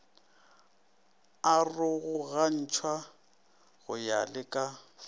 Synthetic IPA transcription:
arʊɣʊɣan̩t͡ʃʰwa | ɣʊja̰lɪkʼa

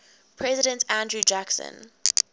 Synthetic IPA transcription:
pʰɹɛzɪɾə̃ntʰæ̃ndɹud͡ʒaksə̰̃n

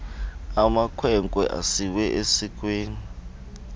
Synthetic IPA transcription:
amakʰwɛŋkʼwɛ̰ʔa̰siwɛʔesik̬ʼweːni

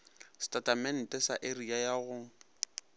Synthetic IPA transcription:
stʼatʼamɛn̩tʼɛsaʔeriajaɣʊ

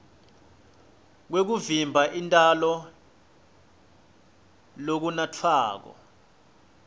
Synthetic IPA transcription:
k̬wek̬uvimbʱaʔintʼalɔ | lok̬unatʰaːk̬ɔ̰

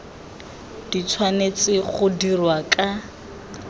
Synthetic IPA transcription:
d̥it͡sʰwanet͡sʼɪχʊdirwakʼa

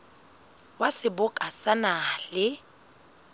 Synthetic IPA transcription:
wasɪbʊkʼasanalɪ

